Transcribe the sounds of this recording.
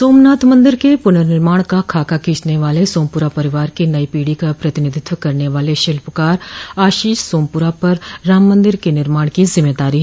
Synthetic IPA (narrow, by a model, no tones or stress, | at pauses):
soːmnaːt̪mɐ̃nd̪ɪɾkepʊnəɾnɪɾmaːɽ̃kakʰaːkakiːt͡ʃneʋaːlesoːmpʊɾapɐɾɪʋaːɾkinɐipiːɽikapɾɐt̪ɪnɪd̪ʱɪt̪ʋəkɐɾneʋaːleʃɪlpkaːɾaːʃiːʃsoːmpʊɾapɐɾːaːmːə̃nd̪ɪɾkenɪɾmaːɽ̃kizɪmeːd̪aːɾiɦɛ